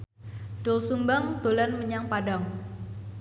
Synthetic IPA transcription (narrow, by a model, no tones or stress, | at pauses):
ɖ̥ɔlsumbaŋd̪̥olanməɲaŋpadaŋ